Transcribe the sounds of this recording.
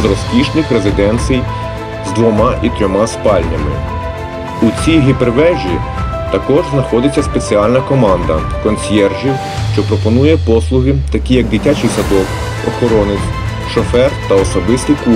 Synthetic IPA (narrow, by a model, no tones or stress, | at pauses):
zɾɔsʲpʲiʃnɪxɾezɪd̪ɛnʲsʲij | zd̪ʋɔmɑʔit̪ɾʲɔmɑspɑlʲnʲɐ̰mɪ̰ | ut͡sʲijɦipeɾʋɛʒʲi | t̪ɐkɔʒznɐxɔd̪ɪt͡sʲːɐspe̞t͡sʲiɑlʲnɐkɔmɑnd̪ɐ̰ | kɔnʲsʲjɛrʒi | ʃt͡ʃɔpɾɔpɔnujɛpɔslˠʊɦɪt̪ɐkʲijɐɡ̚d̪ɪtʲat͡ʃɪjsɐd̪ɔw | ɔxɔɾɔnɪt͡sʲ | ʃɔfɛrt̪ɐɔsɔbɪst̪ɪku